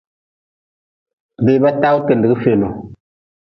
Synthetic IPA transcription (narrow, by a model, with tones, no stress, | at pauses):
be˦˨˦ba˦ta˦wu˦ke˨n˨dɨ˨ɡə˦fe˨no˨